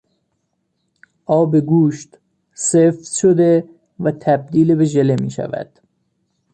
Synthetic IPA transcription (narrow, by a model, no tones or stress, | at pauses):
ʔɒːbeɡuːʃt̪ | seːft̪ʃod̪e | væt̪ʰæb̚d̪iːlebeʒelemiːʃæ̰væ̰d̪̥